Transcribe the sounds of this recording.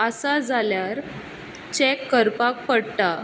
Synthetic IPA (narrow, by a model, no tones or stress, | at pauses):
əsad͡zaljaɾ | t͡ɕekːəɾpak̚pəɽt̪a